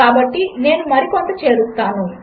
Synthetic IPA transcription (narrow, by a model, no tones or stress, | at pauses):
aːbɐʈːine̞ːnumɐɾikoɳʈ̪ɐt͡ʃe̞ːɽust̪ːaːnu